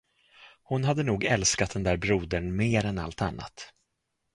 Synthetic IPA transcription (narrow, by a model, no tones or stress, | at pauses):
hʊnɦad̪ːənuːɡɛlskat̪̚d̪ɛnd̪æːɾbɾuːd̪əɳmeːɾɛna̰lt̪a̰nːa̰t̪